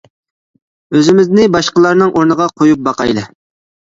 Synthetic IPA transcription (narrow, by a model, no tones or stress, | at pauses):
øzɪmɪznɪbɑʃqəlˠɑɾnɨŋʔoɾnəʁɑqʰojup̚bɑqɑjlˠɨ